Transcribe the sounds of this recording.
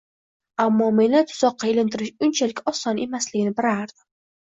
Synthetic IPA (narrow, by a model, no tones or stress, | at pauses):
amːɒmenat̪ʰʊ̥zɒqːɑelɪnt̪ʰɪɾɪʃʊnt͡ʃʰalɪkʲɒsːɒne̞maslɪɡʲɪnɪbɪɾaɾd̪̥ɪ